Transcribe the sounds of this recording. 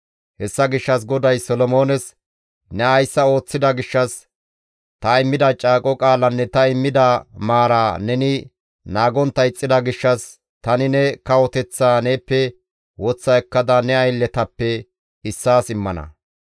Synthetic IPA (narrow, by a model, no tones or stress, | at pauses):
hɛsːɐɡɪʃːɐsɡɔd̪ɐjsɔlɔmo̞ːnɛs | nɛɐjsːɐo̞ːt͡sːɪd̪ɐɡɪʃːɐs | t̪ɐɪmːɪd̪ɐt͡ʃʼaːkʼɔkʼaːlɐnːɛt̪ɐɪmːɪd̪ɐmaːɾaːnɛnɪ | naːɡɔnt̪ːɐɪt͡sʼːɪd̪ɐɡɪʃːɐs | t̪ɐnɪnɛkɐwɔt̪ɛt͡sːaːneːpːɛ | wɔt͡sːɐɛkːɐd̪ɐnɛɐjlːɛt̪ɐpːɛ | ɪsːaːsɪmːɐnɐ̰